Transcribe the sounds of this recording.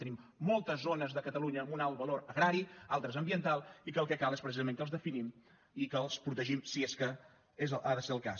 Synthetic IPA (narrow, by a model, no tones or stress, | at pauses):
t̪ənimːolˠt̪əzonəzðəkət̪əluɲəːmunalˠβəloɾəɣɾaɾialˠt̪ɾəzəmbiənt̪alˠikəːlˠkɛkalˠespɾəs̬izəmẽŋkəlˠzðəfinim | ikəːlˠspɾut̪əʒimsieskə | ezəʔaðəseɾəlˠka̰s